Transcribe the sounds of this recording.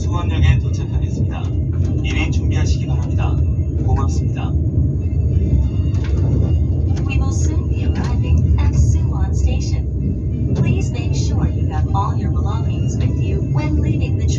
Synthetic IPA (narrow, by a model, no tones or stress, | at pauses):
sʰoŋɦanɲʌŋetot͡ɕʰakʰaɡes͈ɯmɲida̰iɾet͡ɕuŋbiɦaɕʰiɡidoɦamɲidakomak̚s͈ɯmɲida | wiwɪlˠsũnbiə˞aɪvɪ̃ŋɨtsuwɑ̃nsteɪʃɨ̃n | pʰl̥izmeɪkʃʊɹjɨəɾɔlˠjə˞bəlɔ̃ŋɪ̃ŋzwɪðjʉwɛ̃nlivɪ̃ŋðɨtʰ